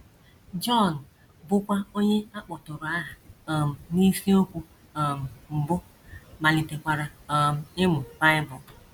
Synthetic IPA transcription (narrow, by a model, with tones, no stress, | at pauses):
d͡ʒɔ˦˨n̩˨ | bʊ˦kʷa˦o˦ɲe˦a˦k͡pʊ˨tʊ˨ɾʊ˨a˦ɦa˨m̩˨ni˦si˦o˦kʷu˦˨ | m̩˨m̩˨bʊ˦ | ma˨lɪ˨te˨kʷa˨ɾa˨˦m˨ɪ˦mʊ˨ba˦ɪ˦bʊ˨